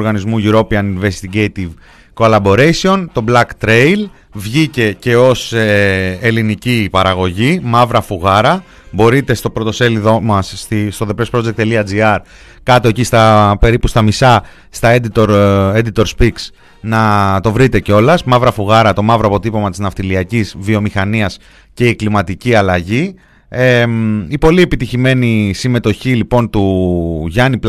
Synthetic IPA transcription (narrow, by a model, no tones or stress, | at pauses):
ɾɣɐnizmuʝuɾo̞piɐninve̞st̪iɟejt̪iv | kolɐbo̞ɾe̞jsio̞nt̪o̞blɐkt̪ɾe̞jl | vʝice̞ce̞o̞seelinicipɐɾɐɣo̞ʝimɐvɾɐfuɣɐɾɐ | bo̞ɾit̪e̞st̪o̞pɾo̞t̪o̞se̞liðo̞mɐsːt̪ist̪o̞ðe̞pɾe̞spɾo̞d͡zek̚t̪eliɐd͡ziɐɾ | kɐt̪o̞e̞cist̪ɐpe̞ɾipust̪ɐmisɐ | st̪ɐed̪it̪oɾe̞d̪it̪o̞ɾspiks | nɐt̪o̞vɾit̪e̞ceo̞lɐsmɐvɾɐfuɣɐɾɐt̪o̞mɐvɾoɐpo̞t̪ipo̞mɐt̪iznɐft̪iliɐcizvio̞mixɐniɐs | ce̞iklimɐt̪iciɐlɐʝi | eipo̞lie̞pit̪içime̞nisime̞t̪o̞çilipo̞nt̪uʝɐnipl